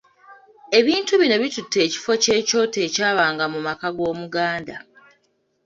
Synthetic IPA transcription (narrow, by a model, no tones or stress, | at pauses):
e̞βiːntuβino̞βitutːe̞ːci̥fo̞ce̞ːco̞ːte̞ːcaːβaːŋɡamumakaɡo̞ːmuɡaːnda